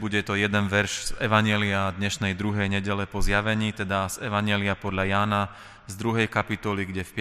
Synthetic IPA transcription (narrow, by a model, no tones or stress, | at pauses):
buɟɛt̪ɔjɛd̪ɛnʋɛɾʒzɛʋaɲɪɛliad̪ɲɛʃnɛjd̪ɾuɦɛjɲɛɟɛlɛpɔzɪjaʋɛɲiːt̪ɛd̪azɛʋaɲɪɛliapɔd̪lajaːna | zd̪ɾuɦɛjkapit̪ɔliɡɟɛfpɪ